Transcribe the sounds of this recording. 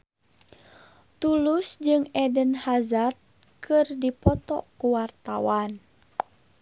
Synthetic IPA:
t̪ulusd͡ʒɨŋɛdənhazard̪̚ | kɨrdipɔt̪ɔ̰kuwart̪awan

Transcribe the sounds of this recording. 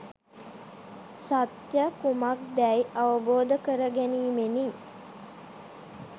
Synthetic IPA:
sat̪jəkumak̚d̪ɛjʔaʋəboːd̪əkəɾəɡæniːmeniŋ

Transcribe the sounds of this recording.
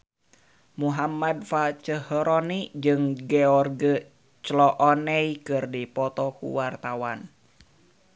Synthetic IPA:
muɦamad̚fat͡ʃəhəɾɔnid͡ʒɨŋɡɛɔrɡə | t͡ʃlɔʔɔnɛikɨrdipɔt̪ɔkṵwart̪awan

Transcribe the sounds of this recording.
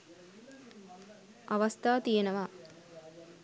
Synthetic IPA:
ɐʋɐst̪ʰaːt̪ijenɐʋa

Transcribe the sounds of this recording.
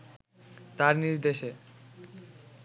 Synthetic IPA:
t̪aɾniɾd̪eʃe

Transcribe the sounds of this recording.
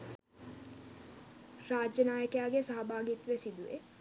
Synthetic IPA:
raːd͡ʒjənaːjəkjaːɡesaɦɐbʱaːɡit̪ʋesid̪uʋḛ

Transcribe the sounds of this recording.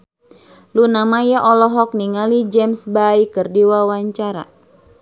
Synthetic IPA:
lunamajaʔɔlɔɦɔk̚niŋalid͡ʒɛmsbajkɨrdiwawaɲt͡ʃaɾa̰

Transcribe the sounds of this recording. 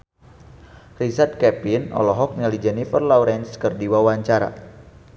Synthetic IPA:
risard̪̚kɛpinɔ̰lɔɦɔk̚nilid͡ʒɛnifərlauɾɛnskərdiwawaɲt͡ʃaɾa̰

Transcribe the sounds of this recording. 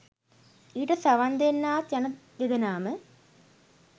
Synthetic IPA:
iːʈɐsaʋand̪enːaːt̪janə | jed̪ənaːmə

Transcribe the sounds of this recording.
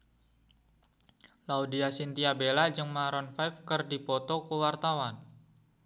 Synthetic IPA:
laudiasint̪iabelad͡ʒɨŋmaɾɔnfajfkərdipɔt̪ɔkəwart̪awan

